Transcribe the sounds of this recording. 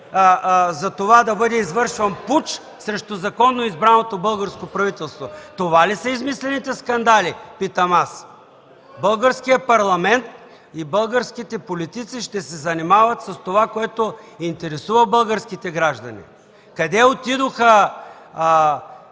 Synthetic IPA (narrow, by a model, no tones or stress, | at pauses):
zɐt̪ovad̪ɐbɤd̪ɛizvɤɾʃvɐnput͡ʃ | sɾɛʃt̪ozɐkɔnːoizbɾanot̪obɤlˠɡəɾskopɾɐvit̪ɛlˠst̪vot̪ovalisɐizmislɛnit̪ɛskɐnd̪alipit̪ɐmas | bɤlˠɡəɾskijəpɐɾlˠɐmɛnt̪̚ | ibɤlˠɡəɾskit̪ɛpolit̪it̪siʃt̪ɛsɛzɐnimavɐt̪sɐst̪ovakoɛt̪oint̪ɛɾɛsuvɐbəlˠɡəɾskit̪ɛɡɾaʒd̪ɐnḭ | kɐd̪ɛot̪id̪oxə